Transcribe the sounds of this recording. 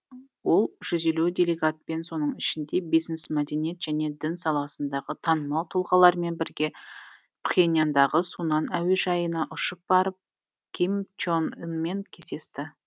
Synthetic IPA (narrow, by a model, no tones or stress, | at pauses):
wo̞lˠʒ̥ʏze̞lud̪ʲe̞leɡat̪̚pe̞nso̞nəɴɪʃɪnd̪e̞bijznsmæd̪e̞nije̞t̪ʒ̥ænje̞d̪ɪnsɑlˠɑsənd̪ɑʁət̪ʰɑnəmɑlˠt̪ʰʊlˠʁɑlˠɑɾme̞nbɪɾɡʲe̞ | pχenijand̪ɑʁəsunɑnæwe̞ʒɑjənɑʔʊʃəp̚b̥ɑɾəp̚ | kʲʰimt͡ʃonnme̞nkʲʰese̞st̪ɪ